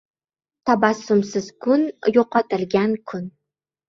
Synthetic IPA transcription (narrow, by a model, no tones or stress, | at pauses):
t̪ʰabasːʊmsɪzkʰʊnjoqɑt̪ʰɪlɡʲankʰʊn